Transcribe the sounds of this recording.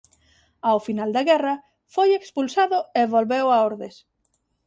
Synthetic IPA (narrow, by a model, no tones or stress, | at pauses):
awfinald̪ɐɣɛrɐ | fojekspulsaðʊeβolβewaoɾðes